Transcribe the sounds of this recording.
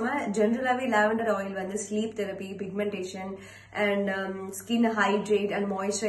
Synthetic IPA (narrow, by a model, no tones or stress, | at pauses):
mãd͡ʒɛnɾɐlaʋilaːʋɐ̃ɳɖəɾɔːjlʋɐ̃nd̪ɨsliːp̚t̪ɛɾɐpipɪɡ̚mɛ̃ɳʈeːʃə̃n | ʔɛ̃ɳɖskɪ̃nɦaɪɖɾeːʈɛ̃ɳɖmɔːɪsʈɾɐ